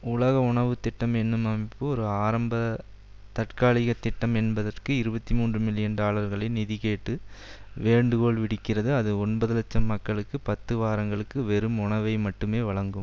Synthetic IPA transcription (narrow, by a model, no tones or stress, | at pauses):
ʊlɐɣɐʊɳɐʋɯt̪ːɪʈːɐmɛnːɯmɐmɪpːɯɔɾɯaːɾɐmbɐ | t̪ɐʈkaːɭɪɣɐt̪ːɪʈːɐmɛnbɐðɐrkɯɪɾɯbɐt̪ːimuːndrɯmɪlːɪjɐnɖaːɭɐɾɣɐɭɐɪnɪðɪɣeːʈːɯʋeːɳɖɯɣoːɭʋɪɽɪkːɪrɐðɯɐðɯɔnbɐðɯlɐt͡ʃːɐmːɐkːɐɭɯkːɯpɐt̪ːɯʋaːɾɐŋɡɐɭɯkːɯʋɛɾɯmʊɳɐʋɐɪmɐʈːɯmeːʋɐɭɐŋɡɯm